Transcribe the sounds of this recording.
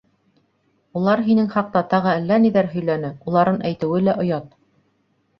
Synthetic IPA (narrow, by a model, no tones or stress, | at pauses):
ulˠɑɾɦinɘŋχɑq̚t̪ɑt̪ɑʁɤælːæniðæɾɦɵ̆jlænɘulˠɑɾɤnʔæjt̪ɘ̆wɘlæʔŏjɑt̪̚